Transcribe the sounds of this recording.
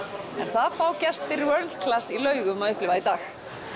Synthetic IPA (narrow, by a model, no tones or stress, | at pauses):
ɛ̰nθaðfaːwcɛst̪vɪɾwœɾlt̪kʰlasːilœːɥɣʏmaðʏhplɪvaðit̪aːx